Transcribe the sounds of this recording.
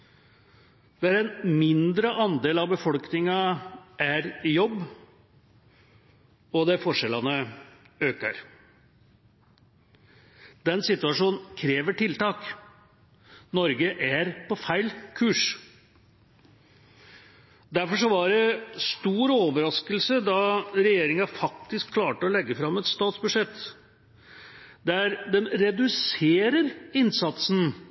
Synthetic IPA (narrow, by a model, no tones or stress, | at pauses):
d̪̥ɛæɾɛnmɪnd̪ɾəʔɑnd̪eːlɑʋbəfɔlknɪŋɑʔæɾɪjɔbː | ɔd̪ɛfɔʂɛlɑnə | øːkəɾ | d̪ɛnsɪt̪ʉɑʂuːnn̩kʰɾeːʋəʈʰɪlt̪ɑːk | nɔɾɡəʔæɾpɔfæɪlkʰʉːʂ | d̪æɾfɔʂɔʋɑɾɛst̪uːɾoːʋəɾɑskəlsəd̪ɑɾɛjeːɾɪŋɑfɑkt̪ɪskʰlɑːʈəɔlɛɡːəfɾɑmɛt̪st̪ɑːt̪sbʉʂɛt̪ː | d̪ɛæɾd̪ɛmɾɛd̪ʉseːɾəɾɪnsɑt̪sn̩